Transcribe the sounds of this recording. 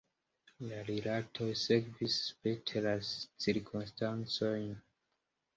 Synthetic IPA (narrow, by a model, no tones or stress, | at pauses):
laɾilatʰo̞jseɡvispetʰelat͡siɾkʰumstant͡so̞jn